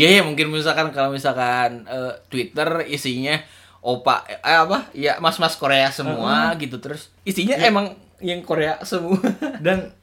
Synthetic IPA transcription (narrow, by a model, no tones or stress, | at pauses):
jajamuŋkɪnməɲusalkankalomisalkanəːt̪wit̪ərisiɲa | ʔopa̰ːpajamasmaskoɾeasəmuaɡit̪ut̪əɾʊs | isiɲaʔemaŋ | jaŋkoɾeasəmuaadan